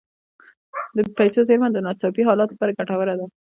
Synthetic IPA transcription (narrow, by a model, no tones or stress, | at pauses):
d̪əpajsozeɾmand̪ənɑt͡sɑpiɦɑlɑt̪olapɑɾaɡaʈawəɾad̪a